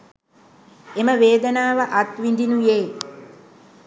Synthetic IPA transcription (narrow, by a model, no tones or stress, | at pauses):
eməʋeːd̪ənaːʋəʔat̪ʋind̪inujeː